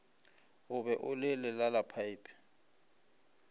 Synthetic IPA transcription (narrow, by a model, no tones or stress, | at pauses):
ʊbɛʔʊlɪlɪlalapʰaipʰ